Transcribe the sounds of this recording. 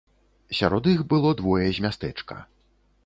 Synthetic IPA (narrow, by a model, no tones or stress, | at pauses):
sʲa̰ɾɔd̪ixbɨlˠɔd̪vɔjɛzʲmʲast̪ɛt͡ʂkɐ̰